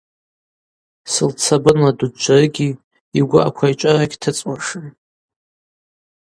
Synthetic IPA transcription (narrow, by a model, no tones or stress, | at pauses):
sɨlt͡sʰabɨnladud͡ʒʷarɨɡʲi | iɡʷʊʔa̰kʷʰajt͡ʃʷʼaraɡʲtʰɨt͡sʼwaʂɨn